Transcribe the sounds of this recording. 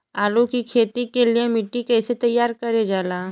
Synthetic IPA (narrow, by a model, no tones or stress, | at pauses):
aːlukikʰeːt̪ikeliemɪʈːikɛːset̪ɐjːaːɾkɐɾed͡ʒaːlaː